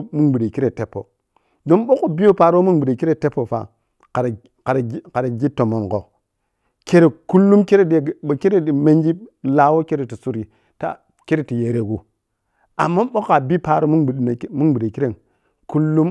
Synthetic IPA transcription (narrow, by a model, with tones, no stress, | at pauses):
mu˦nɡ͡bi˨de˨ki˦ɾe˨te˦pːo̰˨ | do˦nɓo˦ko˨bi˦jo˦pa˨ɾo˦mu˦nɡ͡bi˨de˨ki˦ɾe˦te˦pːo˨fa̰˨ | ka˨ɾ | ka˨ɾka˨ɾa˨ɡi˦tːo˨mo˨nko˨ | ke˦ɾe˨ku˦lːu˦mke˦ɾe˦de˨ke˦ɾe˦di˨me˦nd͡ʒi˦la˨wo˦ke˦ɾe˨ti˨su˦ɾi˨ | ta̰˦ | ke˦ɾe˦ti˨je˨ɾe˨ɡu˨ | a̰˨mːa˦ɓo˦ka˨bi˦pa˦˨ɾo˦mu˦˨na˨˦mu˦nɡ͡bi˨de˨ki˦ɾe˦˨n | ku˦lːu˦m